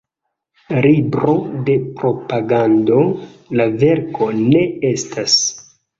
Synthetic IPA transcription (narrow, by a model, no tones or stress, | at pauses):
ɾibɾo̞de̞pɾo̞paɡando̞lave̞ɾko̞ne̞e̞stʰas